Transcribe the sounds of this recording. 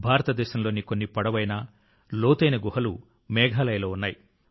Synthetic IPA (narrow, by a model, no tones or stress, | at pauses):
bʱaːɾɐt̪ɐd̪ɛːʃɐmlo̞ːnikonːipɐɽɐʋɐjnɐ | loːt̪ɐjnɐɡuɦɐlu | mɛːɡʱaːlɐjɐlo̞ːunːaːji